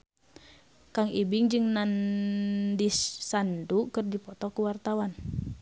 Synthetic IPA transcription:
kaŋibiŋd͡ʒɨŋnan | disːandukɨrdipɔt̪ɔkuwart̪awan

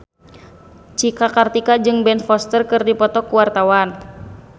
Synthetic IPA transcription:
t͡ʃikakart̪ikad͡ʒɨŋbɛnfɔst̪ərkɨrdipɔt̪ɔkuwart̪awan

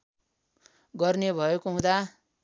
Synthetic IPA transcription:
ɡʌrnebʱʌekoɦũd̪a

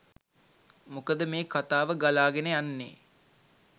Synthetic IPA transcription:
mukəd̪əmeːkat̪aːʋəɡalaːɡenejanːḛː

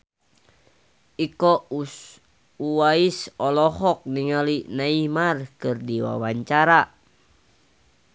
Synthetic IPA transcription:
ikɔ | uwaisɔlɔhɔk̚niŋalinaimarkɨrdiwa̰waɲt͡ʃaɾa

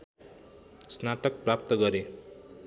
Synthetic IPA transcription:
snaʈʌk̚prap̚t̪ʌɡʌɾe

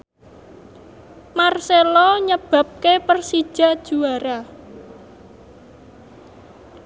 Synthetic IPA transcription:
marselɔɲəb̥ä̤p̚kepərsi̥ʒ̥a̤d̥ʒ̥uaɾa

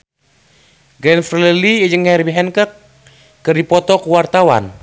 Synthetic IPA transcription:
ɡɾɛnfrlɛlid͡ʒəŋhɛɾibiɦɛnkəkː | ərdipɔt̪ɔkuwart̪awa̰n

